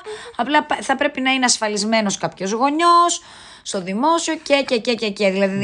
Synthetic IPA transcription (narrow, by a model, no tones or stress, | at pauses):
ɐplɐpθɐpɾe̞pinɐineɐsfɐlizme̞no̞skɐpço̞zɣo̞ɲo̞sː | t̪o̞ðimo̞sio̞cececececeðilɐði